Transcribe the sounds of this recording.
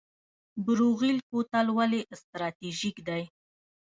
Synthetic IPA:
bʊɾuɣilkot̪alwaleʔst̪ɾɑt̪iʒikd̪aj

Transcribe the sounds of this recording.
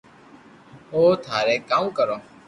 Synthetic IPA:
oːt̪ʰaːɾeːkaːũːkəɾoː

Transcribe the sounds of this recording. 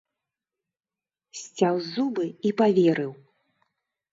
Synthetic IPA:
sʲt͡sʲawzubɨipavʲɛɾɨw

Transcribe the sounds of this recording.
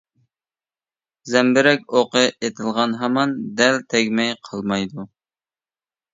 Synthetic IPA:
zɛmbɪɾɛkʲoqəʔet̪ʰɪlˠʁɑnɦɑmɑnd̪ɛlt̪ʰɛɡʲmɛjqʰɑlˠmɑjd̪u

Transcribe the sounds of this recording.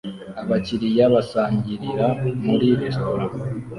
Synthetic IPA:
aβaciɾijaβasaːɲɟiɾiɾamuɾiɾisoɾo

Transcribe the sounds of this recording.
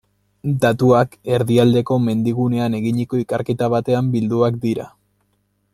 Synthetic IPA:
d̪at̪uake̞ɾðiald̪e̞ko̞me̞nd̪iɣune̞ane̞ɣiɲiko̞ikaɾke̞t̪aβ̞at̪e̞ambild̪uakd̪iɾa̰

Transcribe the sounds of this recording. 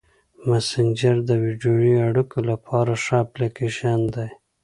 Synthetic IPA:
masɪɲd͡ʒaɾd̪əwiɖjojiaɽukolapʰɑɾaʂɑplakeʃɑnd̪aj

